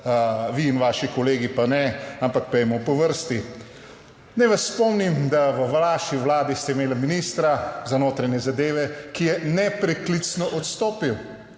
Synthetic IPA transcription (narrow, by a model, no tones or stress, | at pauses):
ʋiːnʋaːʃikɔleːɡipanɛampakpɛjmɔpɔʋəɾst̪i | nɛjʋasːpɔmnimd̪aʋəʋlaːʃiʋlaːd̪ist̪ɛimeːlaminist̪ɾazanoːt̪ɾanjɛzad̪eːʋɛkijɛnɛpɾɛklit̪snɔʔɔt̪st̪oːpiw